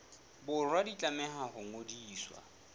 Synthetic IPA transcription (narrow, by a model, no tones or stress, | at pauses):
bʊrwadit͡ɬʼamɛɦahʊŋodiːswa̰